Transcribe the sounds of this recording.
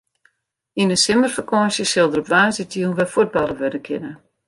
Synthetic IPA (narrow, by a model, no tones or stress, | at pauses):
inənsɪmərfəkʰɔːsjəsɪlˠdəɾɔpʋaːsɪtjunʋɛfud̚bɑlˠəʋødəkʰɪnə